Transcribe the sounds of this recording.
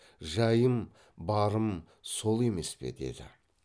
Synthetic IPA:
ʒɑjəm | bɑɾəm | so̞lˠe̞me̞spe̞̰d̪e̞̰d̪ɪ̰

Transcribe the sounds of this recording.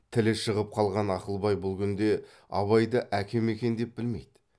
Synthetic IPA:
t̪ʰɪleʃəʁəp̚qʰɑlˠʁɑnɑqəlˠbɑjbʊlˠɡʲʰʏnd̪e̞ | ɑ̰βɑjd̪əʔækʲʰe̞me̞kʲe̞nd̪e̞p̚bɪlme̞̰jd̪ɪ̥

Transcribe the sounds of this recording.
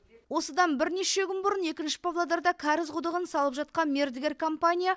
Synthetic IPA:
wo̞səd̪ɑnbɪɾne̞ʃe̞kʲʏnbʊɾəne̞kʲɪnʃɪ̥povlˠod̪ɑɾd̪ɑkʲʰɑɾɪzqʊd̪əʁənsɑlˠəpʒɑt̪̚qɑnme̞ɾd̪ɪɡʲe̞rkʰo̞mpanʲija

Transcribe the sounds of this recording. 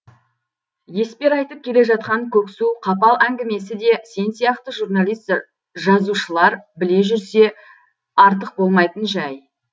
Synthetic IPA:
je̞spe̞ɾɑjt̪əp̚kʲʰe̞le̞ʒɑt̪̚qɑŋkʲʰɵksuqʰɑpɑlˠʔæŋɡʲɪme̞sɪd̪e̞se̞nsijɑqt̪əʒuɾnɑlˠijst̪ | ʒɑzuʃəlˠɑɾbɪle̞ʒʏɾse̞ | ɑɾt̪əq̚bo̞lˠmɑjt̪ənʒæj

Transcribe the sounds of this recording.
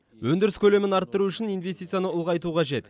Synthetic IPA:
wʔɵnd̪ɪɾɪskʲʰɵle̞mɪnɑɾt̪ːəɾuʏʃɪnijnvʲe̞st̪it̪sɨjanəʊlˠʁɑjt̪uqʰɑʒe̞t̪

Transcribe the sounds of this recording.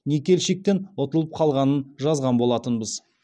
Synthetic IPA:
ne̞kʲe̞lʃek̚t̪e̞nwo̞t̪əlˠəp̚qʰɑlˠʁɑnənʒɑzʁɑnbo̞lˠɑt̪ənbəz

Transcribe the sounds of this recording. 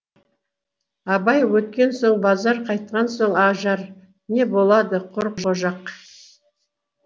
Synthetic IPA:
ɑbɑjwɵt̪̚kʲe̞nso̞ɴbɑzɑɾqʰɑjt̪̚qɑnsoɴɑʒɑɾ | ne̞bo̞lˠɑd̪əqʰʊɾʒoʒɑq

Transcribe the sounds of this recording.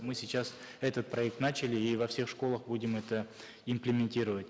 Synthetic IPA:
mɨsʲɪt͡ɕːas | ɛt̪ət̪̚pɾɐɛk̚t̪nat͡ɕɪlʲɪːvɐfsʲe̞xʂko̞lˠəxbudʲɪmɛt̪ə | ɪmplʲɪmʲɪnʲtʲiɾəvətʲ

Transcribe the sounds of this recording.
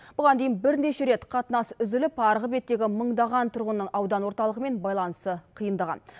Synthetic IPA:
b̥ʊʁɑnd̪e̞jɪnbɪɾne̞ʃe̞ɾe̞t̪qʰɑt̪ənɑsʏzɪlɪpɑɾʁəbe̞t̪ːe̞ɡʲɪməɴd̪ɑʁɑnt̪ʰʊɾʁənːəɴʔɑwd̪ɑnwo̞ɾt̪ɑlˠəʁəme̞nbɑjlˠɑnəsəqʰijənd̪ɑʁɑ̰n

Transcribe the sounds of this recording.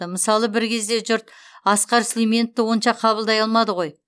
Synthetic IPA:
əməsɑlˠəbɪɾkʲʰe̞zd̪e̞ʒʊɾt̪ɑsqɑɾsʲlʲemʲe̞nt̪ːɪwo̞nʃɑqʰɑβəlˠd̪ɑjɑlˠmɑd̪əʁo̞j

